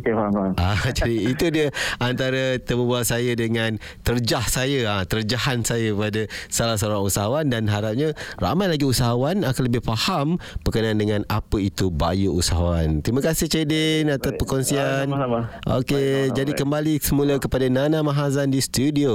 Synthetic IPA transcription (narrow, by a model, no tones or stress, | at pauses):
ad͡ʒadiːt̪udiəant̪aɾat̪əməbuasajədəŋãn | t̪ərd͡ʒahsajəat̪ərd͡ʒahansajapadasalahs̬aoɾaŋusaɦawandanɦaɾap̚ɲara̰majlaɡiusaɦawanakanləbɪhfahamb̥ərkənaandəŋãnapəit̪uba̰juʔusaɦawant̪ɾiməkasɪht͡ʃedɪnat̪apəkɔnsianʔo̰ked͡ʒadikəmbalisəmuləkəpadananãmãɦazandist̪udio